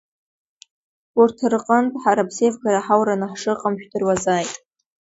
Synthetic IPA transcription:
urtʰrqʼəntʼħaɾapʰsejvɡaɾaħawɾanɨħʂɨqʼəmʃᶣdɨrwazaːjtʼ

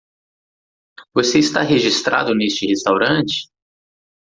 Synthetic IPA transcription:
voseist̪a̰ɦeʒist̪ɾa̰d̪ʊnest͡ʃɪhest̪awɾɐ̃t͡ʃɪ̥

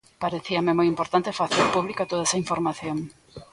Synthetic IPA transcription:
paɾeθiɐmemojimpoɾt̪ant̪efaθeɾpuβlikot̪oðɐesɐiɱfoɾmaθjoŋ

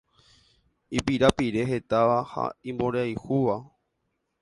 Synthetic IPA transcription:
ipiɾapiɾe̞ɦe̞t̪aʋaha̰ĩmbõɾeajhuʋa

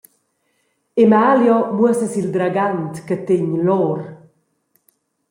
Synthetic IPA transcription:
emaːljɔmwəsəsild̪ɾaɡant̪kət̪eɲlɔːɾ

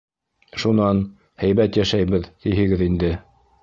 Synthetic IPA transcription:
ʃunɑn | hæjβæt̪jæʃæjβɘðt̪iɦɘ̆ɡɘðind̪ɘ

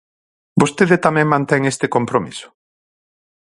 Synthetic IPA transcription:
bost̪eðet̪amɛ̃ŋmãnt̪ɛŋest̪ɪkompɾomisʊ̥

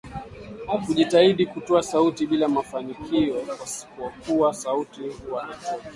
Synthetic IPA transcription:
akuʄitaiɗikutɔasautiɓilamafanikʰiɔwasi̥kuakuasautiuwaʔatɔi

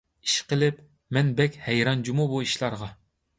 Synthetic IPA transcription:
i̥ʃqəlɪp | mɛnbɛkʲhɛjɾɑnd͡ʒumubuiʃlˠɑɾʁɑ

